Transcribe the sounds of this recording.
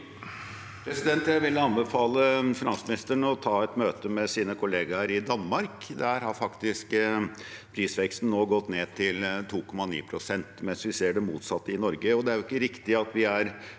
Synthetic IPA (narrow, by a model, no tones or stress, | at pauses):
pʰɾɛsɪd̪ɛnt̪jæɪʋɪlːəɑnbəfɑːləfɪnɑnsmɪnɪst̪əɳɔt̪ʰɑːɛt̪møːt̪əmɛsiːnəkʰʊleːɡɑɾɪd̪ɑnmɑɾkd̪æɾɦɑɾfɑkt̪ɪsk | pʰɾiːsʋɛkst̪n̩nːoːɡɔt̪ːneːt̪ʰɪlt̪ʰuːkʰɔmːɑnḭːpʰɾʊsɛnt̪mɛnsʋɪseːɖɛmuːt̪sɑt̪ːəɪnɔɾɡəɔd̪ɛæɾjʊɪkːəɾɪkt̪ɪɑt̪ʋɪæɾ